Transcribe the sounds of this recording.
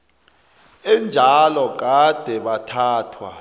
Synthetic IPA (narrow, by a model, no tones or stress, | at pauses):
ɛnd͡ʒʱalɔɡ̬ad̥ʱɛɓatʰaːtʰwa̰